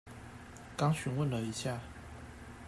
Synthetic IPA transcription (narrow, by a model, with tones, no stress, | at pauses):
kɑ˥ŋɕy˨˥nwə˥˩nlə˨˩i˨˥ɕja˥˩